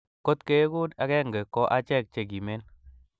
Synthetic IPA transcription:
ko˦t̪ke˦ku˦da˨kɛ˦ŋɡɛ˨kɔ˦ʔa˦t͡ʃɛ˦˨k̚t͡ʃe˨ɡi˨me˦n

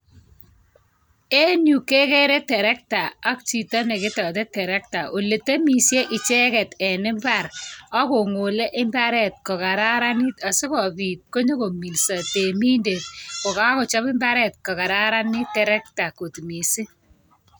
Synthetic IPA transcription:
e˦nju˨ke˦ke˦ɾe˦tɛ˨ɾɛ˦k̚ta˨a˦k̚t͡ʃi˨tɔ˦ne˨kɪ˦tɔ˨t̬e˦tɛ˨ɾɛ˦k̚ta˨ʔo˨le˨te˦mi˨sje˦ʔɪ˨t͡ʃe˦kɛ˨tɛ˨nɪ˦mba˦˨ɾɔ˦ko˨ŋo˨le˦ʔɪ˦mba˦ɾɛ˦˨t̚kɔ˨ka˨ɾa˦ɾa˦nɪ˦ta˨si˦kɔ˨piː˨t̚ko˦ɲo˦ko˨mi˨lsa˨te˨mi˦nde˨t̚ko˨ka˦kʊ˨t͡ʃɔ˦pɪ˦mba˦ɾɛ˦t̚kɔ˨ka˨ɾa˦ɾa˦nɪ˦tːɛ˨ɾɛ˦k̚ta˨ko˨tmi˨si˦

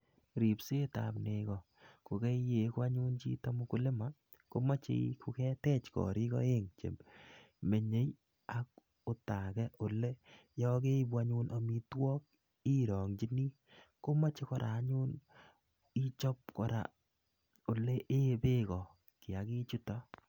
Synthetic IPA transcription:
ɾi˨pse˦ta̰˨pne˨kɔ˨ | ko˨ke˦je˨kwa˦ɲʊ˦nt͡ʃḭ˦to˦mʊ˦kʊ˨˦lɪ˦ma˦ | ko˦ma˦t͡ʃḛ˨˦kʰʊ˦kɛ˦tɛ˦t͡ʃkɔ̰˨ɾi˦kɔ̰˦e˦ŋt͡ʃḛ˨m | me˨ɲe˦j | ak̚ | ʊ˨ta˨kɛ˦ʔo˨le˦jɔ˦ke˦bwa˦ɲu˦nʔo˨mi˦twɔː˦k̚ | i˦ɾɔ˨ŋt͡ʃi˦ni˦ | ko˦ma˦t͡ʃe˦kɔ˨ɾʔa̰ː˨˦ɲʊ˦n | i˦t͡ʃɔ˦p̚kɔ˨ɾa̰˨ | o˨le˦ʔe˦be˦kɔ˨ | kɪ˨a˨ki˦t͡ʃu˦tɔ˦

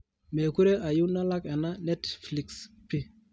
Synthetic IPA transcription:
me˨ku˦ɾe˦ʔa˨ju˦na˦la˦ke˨na˦ne˦tfli˨ks | pi˦

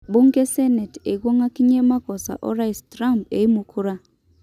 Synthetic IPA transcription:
bu˦ŋke˦se˦ne˨te˨ɡwo˦ŋa˦ki˦ɲe˦ma˦kɔ˨sa̰˨ʔɔ˦ɾa˦i˨stɾa˦mpe˨i˦mu˦kʰu˦ɾa˦

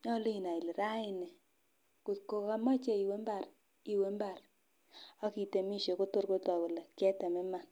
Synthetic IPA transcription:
ɲɔ˦li˦i˨na˨i˨li˨ɾa˦i˨ne˨ | ku˨ko˨ka˦ma˦t͡ʃe˦i˨we˦mba˨r | i˨we˦mba˨ɾ | a˦ki˨te˨mi˦˨ʃe˨ko˦to˦˨ɾko˦tɔ˨ko˨lɛ˨kɛ˦tɛ˨me˦ma˨n

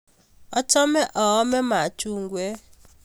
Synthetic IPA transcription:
ɔ˦t͡ʃɔ˦mɛ˦ʔɔ˨ɔ˦mɛ˦ma˨t͡ʃu˦˨ŋɡwɛ˦

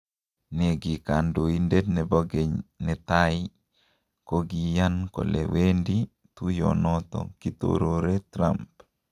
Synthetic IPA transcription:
ne˨ɡi˨ka˨ndo˨inde˦dnɛ˨bɔ˦ɡeɲnɛt̪a˦ɪ | ko˦ɡi˨ja˦nko̰˨lḛwendi | t̪u˦jɔ̰nɔt̪ɔ̰kit̪o̰ɾoɾe˦t̪ɾa̰mp

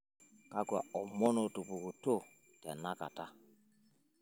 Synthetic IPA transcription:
ka˦ɡa̰˨ɔ˨mɔ˦no˨tu˨pu˨ku˨to˦ | ta̰˨na˦ka̰˨ta˦

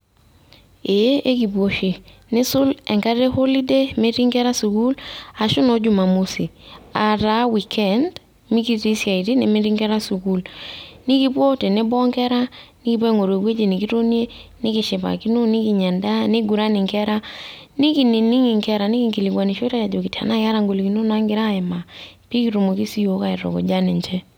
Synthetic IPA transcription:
e˨˦ʔe˦ki˨pwo˨ʃe˨nɪ˦sʊ˦lɛ˨ŋka˦ɾe˦ho˦li˦de˦mɪ˦ɾi˦ŋkɛ˦ɾa˦su˨ku˦la˨ʃʊ˦nɔ˦d͡ʒʊ˨ma˨mu˦si˨a˨ɾa˨˦wi˨kʰɛ˨nd | mɪ˦ki˦ti˦sja˨i˨ti˦nɪ˨mɪ˦ɾɪ˦ŋɡɛ˦ɾa˦su˨ku˦˨lnɪ˦ki˦po˦te˨nɪ˦bɔ˦ŋkɛ˦ɾa˦nɪ˦ki˦p̬we˦ŋo˨ɾe˨bwe˦d͡ʒe˨ni˨ki˦to˦nje˦nɪ˦kɪ˨ʃɪ˨pa̰˨ki˦no˦nɪ˦ki˨ɲa˨nda˦ne˦ɡu˨ɾa˦nɪ˨ŋkɛ˦ɾa˦nɪ˦ki˨ni˨ni˦ŋi˨ŋkɛ˦ɾa˨nɪ˦ki˨ŋki˨li˨kwa˨ni˨ʃo˦ta˦ja˨d͡ʒo˨ki˨ta̰˨na˦ka˦ɾa˦˨ŋɡo˨li˨ki˨no˦na˦ŋɡɪ˦ɾa˦ɛ˨ma˨pi˦ki˨˦ɾu˨mo˨ki˦si˦jo˨˦ka˨ɪ˨ɾɔ̰˨kɔ̰˨d͡ʒa˦ne˨ɲt͡ʃɛ˦

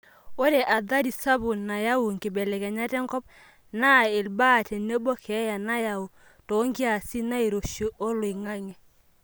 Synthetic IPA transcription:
o˦ɾe˨ʔa˨ða˦ɾi˨sa˦bʊ˨na˨ja˦wu˨ŋ˨ɡɪ˨bɛ˨lɛ˨kɛ˨ɲa˦tɛ˦ŋɡɔ˦p̚ | na˦e˨lba˦˨tɛ˨ne˦bo˦kʰɛ˨˦ja˨na˦ja˨u˨ | to˨˦ŋɡi˦a˨si˦na˦i˨ɾo˨ʃo˨ʔo˦lo˨i˨ŋa˦ŋɛ˨

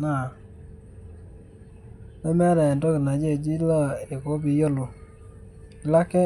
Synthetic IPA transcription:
na˨ | nɛ˦mɛ˦ɾa˨ndɔ˦kɪ˨na˨d͡ʒe˦˨d͡ʒi˦la˦e˨ko˦bi˨jo˦lo˨ | ɪ˨la˦kɛ˦

